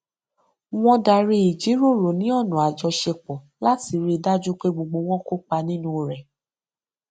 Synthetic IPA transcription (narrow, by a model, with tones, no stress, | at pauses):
w̃ɔ̃˦da˧˨ɾi˧˦i˨d͡ʒi˨˦ɾo˦˨ɾo˨nĩ˨˦ɔ˦˨nũ˨a˨d͡ʒɔ˧ʃe˧k͡pɔ˨ | la˦ti˧˦ɾi˧da˦d͡ʒu˦k͡pe˦ɡ͡bo˨ɡ͡bo˧w̃ɔ̃˦ko˦k͡pa˧nĩ˦nũ˦˨ɾɛ˨